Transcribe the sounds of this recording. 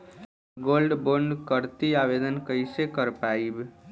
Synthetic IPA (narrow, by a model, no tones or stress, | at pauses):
ɡolɖboɳɖkəɾt̪iaʋed̪ənkəisekəɾpaːib